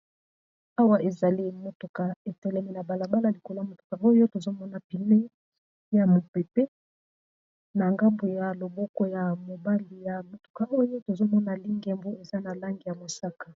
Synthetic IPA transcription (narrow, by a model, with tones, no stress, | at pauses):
a˦wa˦ʔe˨za˨li˦mo˨to˨ka˨e˨tɛ˨lɛ˦mi˦na˨ba˨la˨ba˦la˨li˨ko˨la˦mo˨to̥˨ka˨ʔo˦jo˦to˨zo˦mɔ˦na˨pi˨ne˦ | ja˨mo˨pɛ˨pɛ˦ | na˨ŋɡa˦mbo˨ja˨lo˨bɔ˦kɔ˦ja˨mo˨ba˦li˨ja˨mo˨to̥˨ka˨ʔo˦jo˦to˨zo˦mɔ˦na˨li˦ŋɡɛ˨mbu˦e˨za˦na˨la˦ŋɡi˨ja˨mo˨sa˦kḁ˨